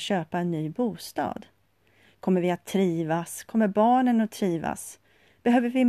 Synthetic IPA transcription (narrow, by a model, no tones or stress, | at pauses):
ɕøːpaɛnːyːbuːst̪ɑ̰ːd̪ | kʰɔmːəɾvɪat̪ʰːɾiːvaskʰɔmːəɾbɑːɳənɔt̪ʰːɾiːva̰s | b̥ɛɦøːvəɾvɪ